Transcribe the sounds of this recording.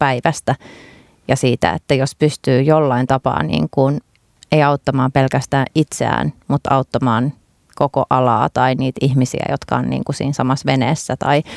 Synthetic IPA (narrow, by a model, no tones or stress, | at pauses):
pæiʋæst̪æ | jɑsiːt̪æ̰ḛt̪ːæjospyst̪yːjolːɑint̪ɑpɑ̰ːnḭːŋkun | eijɑut̪ːɑmɑːmpelkæst̪æːʔʔit̪seæ̰ːnmut̪ɑut̪ːɑmɑːn | koko̰ʔɑlɑ̰ːt̪ɑiniːt̪ihmisḭæ̰jot̪kɑ̰onnḭːŋkusḭːnsɑmɑsʋeneːsːæt̪ɑi